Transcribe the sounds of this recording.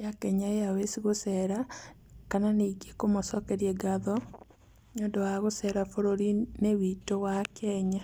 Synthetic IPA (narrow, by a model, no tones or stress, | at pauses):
jakɛɲaejawesiɣosɛɾakananeɡekomɔsɔkɛɾjɛɡaðɔ | ɲodɔaɣosɛɾafoɾoɾinewitowakɛɲa